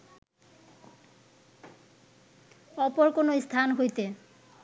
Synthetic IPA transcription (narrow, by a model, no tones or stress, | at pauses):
ɔpoɾkonoist̪ʰanɦojt̪e